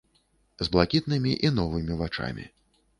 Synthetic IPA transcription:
zblˠakʲit̪̚nɨmʲiʔinɔvɨmʲivat͡ʂa̰mʲḭ

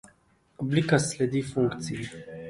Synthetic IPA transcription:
oblikasled̪ifuŋkt̪sie

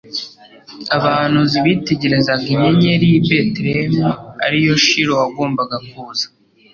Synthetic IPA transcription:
aβaːn̥huziβite̞ɟe̞ɾezaɡiɲeɲeɾibetɾemia̰ɾijo̞ʃiɾo̞waɡo̞ːmbaɡakuːzḁ

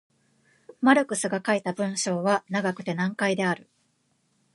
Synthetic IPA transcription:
maɾɯ̟kɯ̟sɨɡakait̪abɯ̟̃ɰ̃ɕo̞ːβanaɡakɯ̟̥t̪e̞nãŋkaid̪e̞aɾɯ̟

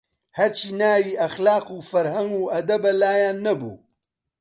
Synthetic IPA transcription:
hɐɾt͡ʃʰiːnaːwiːʔɐxlaːquːfɐɾhɐŋɡuːʔɐd̪ɐbɐlaːjaːnːɐbṵː

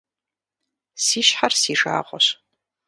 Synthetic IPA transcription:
siːʃħarsiːʂa̰ːʁʷɔɕ

